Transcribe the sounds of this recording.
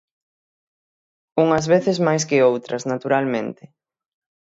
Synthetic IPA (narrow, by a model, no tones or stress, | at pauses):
uŋɐzβeθɪzmajskɪowt̪ɾɐznat̪uɾalmẽnt̪ɪ